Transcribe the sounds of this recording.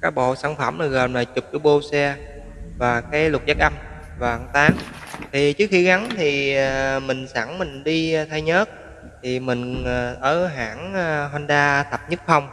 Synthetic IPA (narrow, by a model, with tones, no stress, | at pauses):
kaː˨˦jɓo̰˧˨saː˧˩ŋfə˧˩mlaː˨˩ɣəː˨˩nlaː˨˩t͡ɕʊ˨˩k͡p̚kɨ˧ɓo˧sɛ˧ | vaː˨˩kaː˨˦jlʊ˨˩t̚za˦˥k̚ʔə˧m | vaː˨˩ʔa˧˩ŋt̪aː˨˦ŋt̪ʰi˨˩t͡ɕɨ˦ək̚xi˧ɣa˨˦ŋt̪ʰi˨˩˨mï˨˩ŋ̟saː˧˩ŋmï˨˩ŋ̟ɗi˧t̪ʰa˧jɲəː˦˥t̚ | t̪ʰi˨˩mï˨˩ŋ̟ː˨˩ʔəː˧˩ɦaː˧˥nː˧ɦwa˧nɗaː˧t̪ʰə˨˩p̚ɲɨ˦˥t̚xə˧wŋ͡m